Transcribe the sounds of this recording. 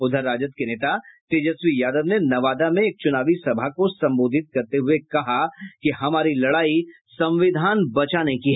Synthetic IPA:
ʊd̪ʱəɾːaːd͡ʒət̪keneːt̪at̪eːd͡ʒəsʋijaːd̪əʋnenɐʋaːd̪amẽeːk̚t͡ʃʊnaːʋisɐbʱakosɐ̃mboːd̪ʱɪt̪̚kɐɾt̪eɦʊekɐɦakiɦɐmaːɾilɐɽaːi | sɐ̃mʋɪd̪ʱaːnbɐt͡ʃaːnekiɦɛ

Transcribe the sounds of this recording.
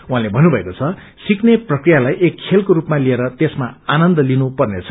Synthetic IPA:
wuɦãlebʱʌnːubʱʌekot͡sʰʌ | sikneprʌkrijalajʔekʰːelkoɾupmalieɾʌt̪esmaanʌnd̪ʌlinupʌrnet͡sʰʌ̥

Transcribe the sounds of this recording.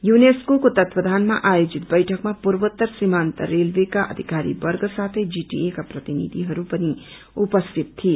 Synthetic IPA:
juneskokot̪ʌt̪wʌd̪ʱanmaʔajod͡ʒit̪̚bʌjʈʰʌkmapuɾbət̪ːəɾsimant̪ə̰ɾelbekaʔʌ̰d̪ʱikaɾḭbʌɾɡʌsat̪ʰʌjd͡ʒiʈḭekaprʌt̪inḭd̪ʱiɦʌɾupʌni | upʌst̪ʰit̪t̪ʰːi

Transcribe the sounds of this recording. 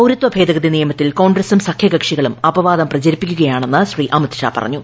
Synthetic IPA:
ɐwɾut̪wʋɐbʱe̞ːd̪ɐɣɐd̪inijɐmɐt̪ːilko̞ːɳɡresumsɐkʰjɐɡɐkʂiɣɐɭumɐbɐʋaːd̪ɐmprɐt͡ɕɐɾipːikʲːuɣɐjaːɳe̞nːɨɕriːʔɐmɐt̪ɕa̰ːpɐ̰rɐ̰ɲːu

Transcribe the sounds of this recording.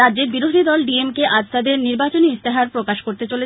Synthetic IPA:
adːd͡ʑeɾbiɾod̪ʱid̪ɔlɖiemkeʔad͡ʑt̪ad̪eɾniɾbat͡ɕoniist̪eɦaɾpɾokaʃkoɾt̪et͡ɕole

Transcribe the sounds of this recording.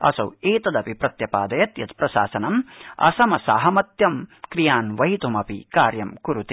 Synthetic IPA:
ɐ̰sɐ̰weːt̪ɐd̪ɐpipɾɐt̪jɐpaːd̪ɐjɐt̪jɐt̪pɾɐsa̰ːsɐnɐmɐ̰sɐmɐsa̰ːɦɐmɐt̪jɐmkɾijaːnʋɐɦit̪umɐpḭkaːɾjɐmkuɾut̪i

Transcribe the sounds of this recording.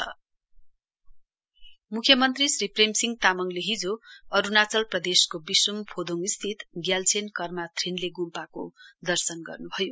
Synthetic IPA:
ʌ | mukʰjʌmʌnt̪risripremsiŋt̪amʌŋleɦid͡zoʌɾunat͡sʌlprʌd̪eskobisrumpʰod̪ʱoŋist̪ʰit̪ɡjalt͡sʰenkʌrmat̪ʰrinleɡumpako̰d̪ʌrsʌnɡʌ̰rnubʱʌjo

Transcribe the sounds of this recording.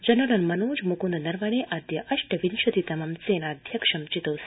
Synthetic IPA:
d͡ʒɐnɐlɐnmɐnoːd͡ʒmukund̪nɐɾʋaɽeʔad̪jɐʔɐʂʈɐʋinʃɐt̪it̪ɐmamt͡seːnad̪ʱjɐkʂɐmt͡ʃit̪os

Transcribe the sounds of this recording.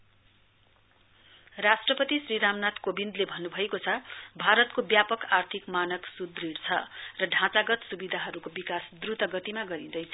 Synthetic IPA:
rasʈrʌpʌt̪isriɾamnat̪kobind̪lebʱʌnːubʱʌekot͡sʰʌbʱaɾʌt̪kobjapʌkart̪ʰikmanʌksud̪riɽt͡sʰʌrʌɖʱãt͡saɡʌt̪subid̪ʱaɦʌɾukobikasd̪rut̪ʌɡʌt̪imaɡʌɾid̪ʌjt͡sʰ

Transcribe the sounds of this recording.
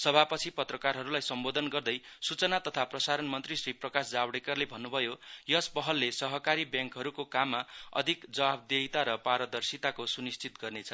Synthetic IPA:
sʌbʱapʌt͡sʰipʌt̪rʌkarɦʌɾulajsʌmbod̪ʱʌnɡʌrd̪ʌjsut͡sʌnat̪ʌt̪ʰaprʌsaɾʌnmʌnt̪risriprʌkasd͡zabɽekʌrlebʱʌnːubʱʌjojʌspʌɦʌlːesʌɦʌkaɾibjaŋkɦʌɾukokamːaʌ̰d̪ʱikd͡zʌab̚d̪eɦit̪aɾʌpaɾʌd̪ʌrsit̪akosunist͡sit̪ɡʌrnet͡sʰʌ

